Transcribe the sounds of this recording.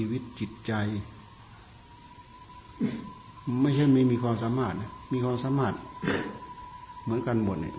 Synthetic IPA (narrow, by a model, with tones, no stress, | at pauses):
i˧wi˧˩t̪̚t͡ɕi˨˧˩t̪̚t͡ɕa˧j | ma˧˥˩sʰa˧˥˩m˧˥˩miː˧kʰwaː˧msaː˧˦maː˧˩t̪̚na˧˩miː˧kʰwaː˧˨msaː˧˥˦maː˧˥˩t̪̚ | mɯ˩˦nka˧˨nbɔ˨˩n̚nḭ˧˩